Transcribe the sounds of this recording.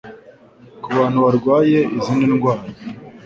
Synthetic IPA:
kuβaːn̥huβaɾɡwaːje̞iziːndinɡwaːɾa

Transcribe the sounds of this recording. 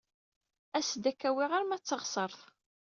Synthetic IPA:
æsd̪ækːæwiʁaɾmæt͡sːəʁsˤəɾˤθ

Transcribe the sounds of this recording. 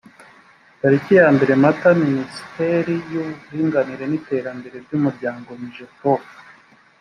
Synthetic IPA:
taɾicijaːmbeɾe̞mataminisi̥teɾijuβuɾiːŋɡaniɾe̞nite̞ːɾambe̞ɾe̞bɟumuɾɟaːŋɡo̞miʒeto

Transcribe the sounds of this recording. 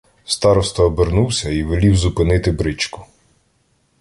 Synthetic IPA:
st̪ɑɾɔst̪ɔːbernuwsʲɐiʋelʲiwzʊpɪnɪt̪ɪbɾɪt͡ʃkʊ̥

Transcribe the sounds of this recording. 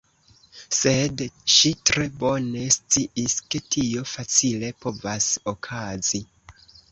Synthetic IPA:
se̞dʃitɾe̞bo̞ne̞st͡siʔiske̞tʰio̞fat͡sile̞po̞vasokʰazi

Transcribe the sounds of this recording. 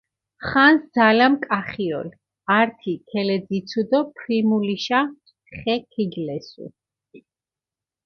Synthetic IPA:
χansd̪zalamkʼaχiɔ̰l | aɾt̪ʰikʰɛlɛd̪zit̪sʰud̪ɔpʰɾimuliʃa | χɛkʰiɡlɛsṵ

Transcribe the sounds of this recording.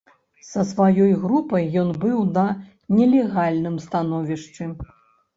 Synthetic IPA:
sɐsvajɔjɣɾupɐjːɔnbɨwnɐ | nʲɛlʲɛɣalʲnɨmst̪anɔvʲiʂt͡ʂɨ

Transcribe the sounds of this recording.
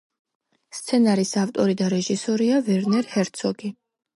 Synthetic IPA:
st̪sʰɛnaɾisaft̪ʼɔɾid̪aɾɛʒisɔɾiaviɾnɛɾhɛɾt̪sʰɔɡi

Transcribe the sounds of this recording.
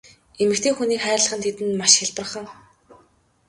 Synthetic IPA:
emɘ̆k̚t̪ʰeːxuniːkχæːrɮə̆χə̆nt̪ʰet̪ɘ̆nmaʃxɪɮpə̆rχə̆ŋ

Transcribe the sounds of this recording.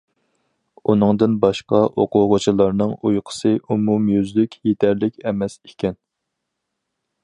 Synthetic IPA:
unɨŋd̪ɨnbɑʃqɑʔoqʰʊʁʊt͡ʃʰilˠɑɾnɨŋujqʰə̥sɨʔumumjyzlykʲʰjet̪ʰæɾlɪkʲʰɛmɛsekʲɛn

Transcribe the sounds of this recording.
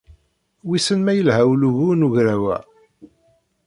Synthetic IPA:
wisənmæjəlhæwluʝunuʝɾæwæ̰

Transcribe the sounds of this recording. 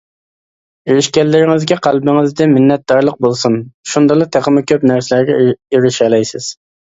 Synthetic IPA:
iɾɪʃkʲɛlːɪɾɪŋɪzɡʲɛqʰælˠbɪŋɪzd̪ɪmɪnːɛt̪̚d̪ɑɾlˠəq̚bolˠsunʃund̪ɑlˠɨt̪ʰeqəmɪkʲʰøpnæɾsɪlæɾɡʲɛiɾɪʃɛlɛjsɪz̥

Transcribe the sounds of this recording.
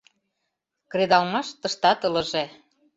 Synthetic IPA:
kred̪ɑlmɑʃt̪əʃt̪ɑt̪ɤ̆lə̆ʒe

